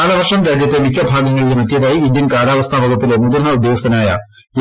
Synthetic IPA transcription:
lɐʋɐrʂɐmɾaːd͡ʑjɐt̪ːemikʰʲːɐbʱaːɡɐŋːɐɭilmɐt̪jɐðaːjiind̪jɐnkaːlaːʋɐst̪ʰɐʋɐɡʱupːile̞mud̪ɐnːɐud̪joːst̪ːɐnaːjɐ̰ | j

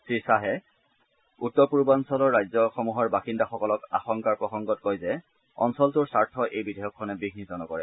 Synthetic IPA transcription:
sɹisaɦɛ | utːɔɹpuɹbansɔlɔɹːajzɔxɔmuɦɔɹbaxindaxɔkɔlɔka̰xɔŋkaɹpɹɔxɔŋɡɔtkojzɛ | ɔ̰nsɔltʊɹsaɹtʰɔʔejbidɛjɔkʰːɔnɛbiɡnizɔnɔkɔɹɛ

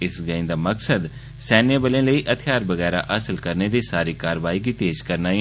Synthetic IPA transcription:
ɪsɡəɪ̃nd̪aːməksəd̪ | sɛːnebəlẽːləiːʔət̪ʰɪjaːɾbəɣɛːɾa̰ːʔəsəlkəɾneːd̪iːsaːɾiːkaːɾʋaːiːɡiːt̪eːd͡ʒkəɾnaː

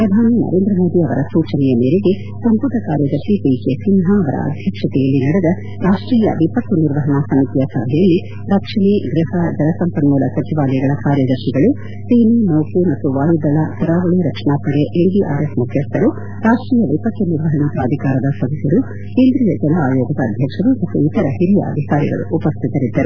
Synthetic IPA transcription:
pɾɐd̪ʱaːninɐ̰ɾeːnd̪ɾɐmo̞ːd̪iɐʋɐ̰ɾɐsuːt͡ʃɐnɛjɐmeːɾeɡe | sɐmpud̪ɐkaːɾjɐd̪ɐɾʂipiːkesinɦaːʋɐɾʔɐ̰ɐ̰d̪ʱjɐkʂɐt̪ɛjɐlːinɐɽed̪ɐ | ɾaːʂʈɾiːjɐ̰ʋipɐkːuniɾʋɐɦɐɳɐsɐmit̪ijɐsɐbʱɛjɐlːi | ɾɐkʂɐɳeɡɾɪɦɐd͡ʒɐnɐsɐmpɐnmuːlɐsɐt͡ʃiʋaːlɐjɡɐɭɐkaːɾjɐd̪ɐɾʂiɡɐɭu | siːninɐwkumɐt̪ːuʋaːjud̪ɐlat̪ʰɐɾaːʋɐɭiɾɐkʂɐɳaːpɐɽeʔeɳɖiʔa̰ːɾesmukʰjɐst̪ːɐɾu | ɾaːʂʈɾiːjɐʋipɐʈːuniɾʋɐɦɐɳat̪ɾaːd̪ʱikaːɾɐd̪ɐsɐd̪isɐɾu | keːnd̪ɾiːjɐd͡ʒɛnɐaːjoːɡɐd̪ɐːd̪ʱjɐkʂɐɾumɐt̪ːuit̪ɐɾɐɦiɾijɐ̰ɐ̰d̪ʱikaːɾḭɡɐ̰ɭṵʔːpɐst̪ʰit̪ɐɾid̪ːɐɾu

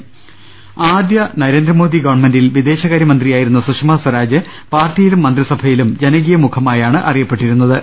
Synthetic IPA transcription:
aːd̪jɐnɐɾe̞ːnd̪rɐmo̞ːd̪iɡɐʋɐɳmendilʋid̪e̞ːɕɐɣaːɾjɐmɐnd̪rijaːjiɾunːɐsuʂmaːswɐɾaːd͡ʑɨ | paːrtːijilumːɐnd̪risɐbʱɐjilumd͡ʑenɐɣijɐmukʰɐmaːjaːɳɨʔɐ̰rijɐpːe̞ʈːiɾunːɐðɨ

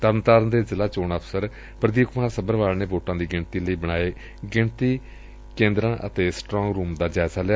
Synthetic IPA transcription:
t̪əɾnt̪aːɾənd̪eːzɪlaːt͡ʃoːɳəpʰsəɾ | pɾəd̪iːkʊmaːɾsəbəɾʋaːlneːboːʈãːd̪iːɡɪɳt̪iːləiːbəɽ̃aːeː | ɡɪɳt̪iː | kẽːnd̪ɾãːʔə̰t̪eːsʈɾɔ̃ːŋɡɾuːmd̪aːd͡ʒaːsaːlaː

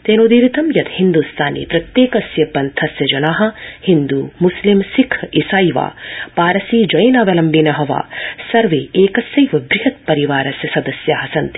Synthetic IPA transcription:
t̪eːnod̪iːɾit̪ɐmjɐd̪hind̪ust̪ʰaːnḭːpɾɐt̪jeːkɐsjɐpɐnt̪ʰɐsjɐd͡ʒɐnaːɦɐ̆hind̪uːmuslimsikʰisaːjʋa̰ːpaːɾɐsiːd͡ʒɐjnaːʋɐlɐmbinɐɦɐʋa̰ːsɐɾʋeːeːkɐsjɐjʋɐbɾiɦɐt̪̚pɐɾiʋaːɾɐsjɐsɐd̪ɐsjaːɦɐsɐnt̪

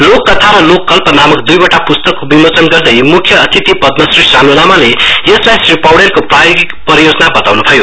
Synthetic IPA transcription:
lokːʌt̪ʰaɾʌlokːʌlpʌnamʌkd̪ujbʌʈapust̪ʌkːobimot͡sʌnɡʌrd̪ʌjmukʰjʌʌt̪ʰit̪ipʌd̪mʌsrisanonamaleeslajsripawɽenkoprajoɡikpʌɾjod͡zʌnabʌt̪awnubʱʌjo

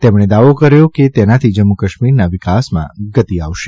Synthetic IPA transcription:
t̪emɳ̃ed̪aʋokəɾjoket̪enat̪ʰid͡ʒəmːukəʃmiɾnaʋɪkasmã̰ɡət̪iaʋʃe

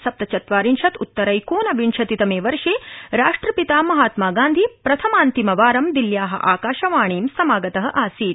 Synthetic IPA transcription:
sɐp̚t̪ɐt͡ʃɐt̪ʋaːɾinʃɐt̪ut̪ːɐɾɐjkoːnɐʋiɳʃʰɐt̪it̪ɐmeːʋɐɾʂeːɾaːʂʈɾɐpit̪aːmɐɦaːt̪maːɡãːnd̪ʱipɾɐt̪ʰɐmaːnt̪imɐʋaːɾɐmd̪iljaːɦɐ̰ʔaːkaːʃɐʋaːɳ̃eːmsɐmaːɡɐt̪ɐɦɐ̆ʔaːsiːt̪

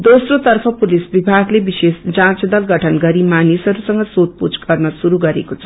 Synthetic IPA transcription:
d̪osrot̪ʌrpʰʌpulisbibʱaɡlebisesd͡zãt͡sd̪ʌlɡʌʈʰʌnɡʌɾimanisʌɾusʌŋɡʌsot̪̚put͡sɡʌrnʌsuɾuɡʌɾekot͡sʰʌ̥

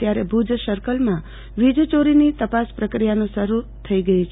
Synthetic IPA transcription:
t̪jaɾebʱud͡ʒsəɾkəlmã | ʋid͡ʒt͡ʃoɾinit̪əpaspɾəkɾijanõʃəɾut̪ʰəiɡəit͡ʃʰ

